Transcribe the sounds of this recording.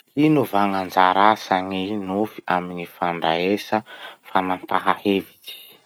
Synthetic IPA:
inuvaŋand͡zaɾasaŋinufi̥aminifaɳɖ͡ʐaesəfanant̪aɦaheviti̥

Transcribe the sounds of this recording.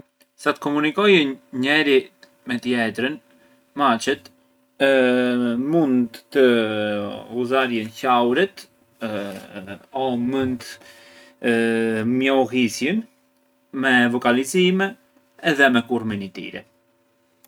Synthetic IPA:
sat̪kɔmunikɔjɛɲɛɾi | mɛt̪əjɛt̪ɾən | mat͡ʃɛt̪ | mund̪ːə | uzaɾjɛnçawɾit̪ | ɔmənt̪ | mjɔɦisjən | mɛvɔkalizimɛː | ðɛmɛkuɾminit̪ḭɾɛ̰

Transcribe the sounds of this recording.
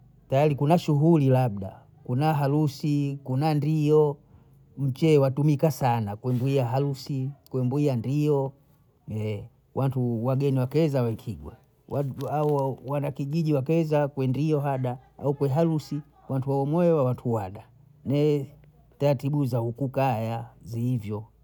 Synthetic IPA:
tajalikunaʃuɦulilab̚da̰ | kunaɦalusikunandijɔ | m̩t͡ʃɛwatumikasanakwɛmbuiaɦalusikwɛmbuiandijɔ | ɛ | wʔantuwaɡɛniwakɛzawaikʰiɡwa̰ | waaɔwanakiʄiʄiwakɛzakwɛndiɔɦaɗaa̰ukwɛɦalusi | wantuwawɔmwɔɛwawatʰuwaɗa | nɛ | taɾatiɓuzaukukajaziːvjɔ

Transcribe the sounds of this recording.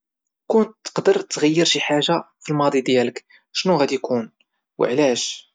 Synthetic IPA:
kʊnt̪ːə̥qd̪əɾˤt̪ːɣəjːəɾʃiħaʒa | filmɑd̪ˤid̪jælək | ʃnuɣæd̪ikʰun | wə̰ʕlæʃ

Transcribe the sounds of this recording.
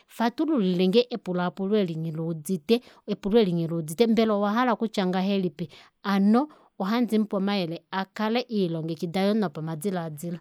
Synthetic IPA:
fatululilɛŋɡɛʔɛpulaːpulwɛliŋilud͡zitɛɛpulwɛliŋilud͡zitɛmbɛlɔwaɦalakut͡ʃaŋɡaɦɛlipi | anɔ | ɔɦand͡zim̩pwɔmaɛlɛakalɛʔilɔŋɡɛkidajɔnɔpamad͡zilaːd͡zila

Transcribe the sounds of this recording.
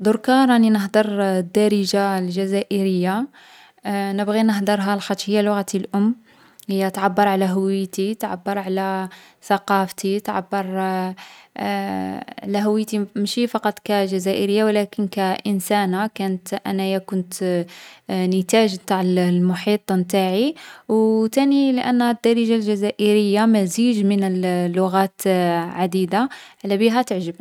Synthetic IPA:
d̪ˤʊɾkɑɾˤɑninəɦd̪əɾˤd̪ɑɾəʒalʒæzæʔəɾəjːa | nəbɣinəɦd̪əɾˤɦalxɑt̪ːʃhəjːælʊɣat̪ilʔʊmː | həjːæt̪ʕabːɑɾˤʕalæɦʊwəjt̪it̪ʕa̰bːəɾˤʕalæ | θɑqɑft̪it̪ʕa̰bːəɾˤ | ʕlæɦʊwəjt̪imʃifɑqɑt̪ˤkæʒæzæʔəɾəjːawlækənkæʔənsænakænət̪ʔæ̰næjækʊnt̪ | nət̪æʒbt̪aʕəllmʊħit̪ˤmt̪aʕiwt̪æniləʔænːhæd̪ːɑɾiʒalʒæzæʔəɾəjːamæziʒmənəllːʊɣæt̪ʕad̪id̪aʕlæbiɦæt̪əʕʒəb

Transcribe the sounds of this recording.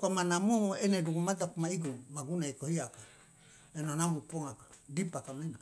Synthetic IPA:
kamanamueneduɡumat̪̬apumaiɡumaɡunaikohiaka | enonamupoŋakḁdipakamena

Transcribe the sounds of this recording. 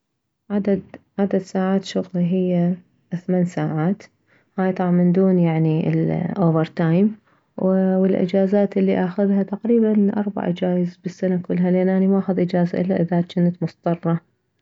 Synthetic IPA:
ʕad̪ad̪ʕad̪ad̪saːʕaːt̪ʃʊɣliɦɪjːa | θmaːnsaːʕaːt̪ | haːjt̪ˤɑʕmɪnd̪uːnjaʕniɪ̰lʔoːvɪɾt̪aːjm | wwɪlʔɪ̰d͡ʒaːzaːt̪ʔɪlːiʔaxʊðhat̪aqɾiːbanʔɑ̰ɾˤba̰ʕd͡ʒaːjɪzbɪsːanakʊlːɦalʔenʔanimaʔaːxʊðʔɪd͡ʒaːzaʔɪlːaʔɪðat̪t͡ʃɪnːat̪mʊst̪ˤɑrˤːɑ

